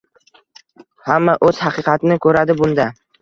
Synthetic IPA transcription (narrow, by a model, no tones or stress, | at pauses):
hamːaʔɵz̥hɑqʰɨːqɑt̪ʰɪnɪkʰɵɾad̪ɪbʊnd̪a